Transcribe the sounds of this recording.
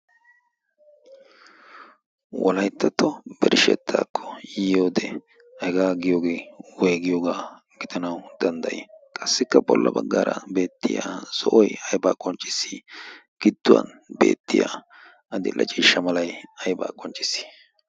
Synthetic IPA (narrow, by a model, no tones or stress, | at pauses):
wʔɔlɐjt̪ːɐt̪ːɔb̥ɛɾɪʃɛ̰t̪ʰːaːkʰːɔ̥jijoːd̪ɛ | ɐɛɡaːɡɪjoːɡe̞ːwɔjɡɪjoːɡaː | ɡɪd̪ɐnɐwd̪̥ɐnd̪ɐjɛkʼɐsːɪkːɐbɔlːʔɐbɐɡːaːɾɐ̰be̞ːt̪ːɪja̰ːsɔʔɔjɐjbaːkʼɔnt͡ʃʼɪsːiɡ̥ɪd̪̥ːʊwɐ̰n | be̞̰ːt̪ːɪja̰ | ɐd̪ɪlʔɐt͡ʃʼiːʃːɐmɐlɐjɐjba̰ːkʼɔnt͡ʃʼːɪ̥sːɪ̥